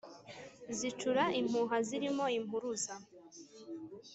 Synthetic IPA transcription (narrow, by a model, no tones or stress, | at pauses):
zit͡ʃuɾaim̥uɦaziɾimo̞imuɾuza